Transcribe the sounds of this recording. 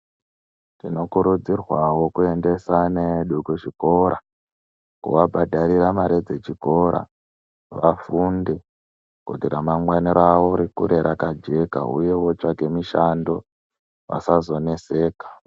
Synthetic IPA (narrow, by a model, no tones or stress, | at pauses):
tino̞kuɾud͡zirwawo̞kue̞nde̞sane̞ɗukuʐiko̞ɾa | kṵwabʱadʱaɾiɾamaɾed͡ze̞t͡ʃiko̞ɾʔa̰ | ʋafunde̞ | kṵtiɾamaŋwaniɾawoɾikṵɾe̞ɾʔakad͡ʒe̞ka̰ṵje̞wo̞t͡ʃake̞miʃando̞ | ʋa̰sazo̞ne̞se̞ːkḁ